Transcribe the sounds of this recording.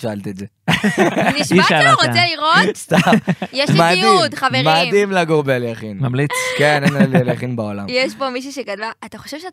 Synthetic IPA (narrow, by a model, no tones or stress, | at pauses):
ʃaalt̪ietze | niʃiʃaaʁot͡seliʁotist̪ajeʃmadiud̪χavemad̪imlaɡoʁbeljaχinmamlit͡skennnelljaχinbaolamjeʃpomiʃ̬uʃeɡad̪vaːt̪aχoʃevʃe